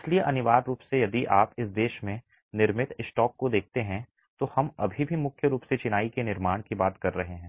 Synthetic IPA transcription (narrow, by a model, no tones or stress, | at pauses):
ɪslieʔɐnɪʋaːɾːuːpsejɐd̪iʔaːpɪsd̪eːʃmẽ | nɪɾmɪt̪ɪsʈɔːkːod̪eːk̚ʰt̪eɦɛ̃ | t̪ohɐmɐ̰bʱibʱimʊkʰjəɾuːpset͡ʃɪnaːikenɪɾmaːɽ̃kibaːt̪kɐɾːɐɦeɦɛ̃ː